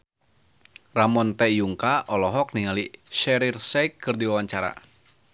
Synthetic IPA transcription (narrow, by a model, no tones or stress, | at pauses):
ramɔnt̪ɛjuŋkaʔɔlɔɦɔk̚niŋaliʃɛɾirsɛjkːɨrdiwawaɲt͡ʃaɾa̰